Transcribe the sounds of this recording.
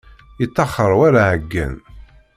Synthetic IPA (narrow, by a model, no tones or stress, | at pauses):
jət͡s̪ːɑχəɾˤwaɾaʕəɡːə̰n